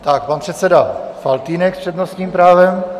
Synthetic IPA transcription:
t̪ak̚panpr̥ɛt̪sɛdafalt̪iːnɛkspr̥ɛd̪nost̪ɲiːmpɾaːvɛm

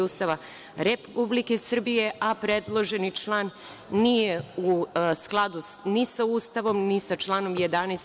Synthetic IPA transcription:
uːst̪aʋa | ɾepublike̞sr̩bije̞ʔapɾed̪lˠo̞ʒe̞nit͡ʃlˠaːnː | ijeusklˠad̪unisauːst̪aʋo̞mnisat͡ʃlˠaːno̞mjed̪anes

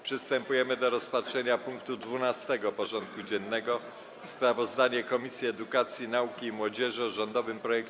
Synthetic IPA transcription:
pʂɘst̪ɛmpujɛmɘd̪ɔɾɔspatʂɛɲapuŋkt̪ud̪vunast̪ɛɡɔpɔʐɔnt̪̚kud͡ʑɛnːɛɡɔ | spɾavɔzd̪aɲɛkɔmʲisʲjiɛd̪ukat̪sʲjinaukʲiːmwɔd͡ʑɛʐɨɔʐɔnd̪ɔvɘmpɾɔjɛk

